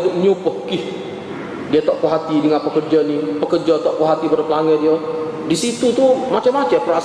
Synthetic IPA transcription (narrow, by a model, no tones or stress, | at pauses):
dʊʔ̚ɲupəhkɪh | diat̪ɔʔkoɦat̪idəŋanpəkərd͡ʒanipəkərd͡ʒat̪ɔʔkoɦat̪ibəɾəplaŋɛdiɔ | disit̪ut̪umat͡ʃamat͡ʃapɾa